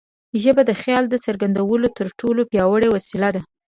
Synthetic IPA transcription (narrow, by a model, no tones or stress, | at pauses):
ʒəbad̪əxjɑld̪əsəɾɡand̪awəlot̪əɾʈʰolopjɑwəɽewasɪlad̪a